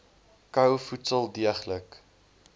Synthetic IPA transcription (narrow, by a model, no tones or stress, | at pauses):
kɐwfutsəlˠdiəχlək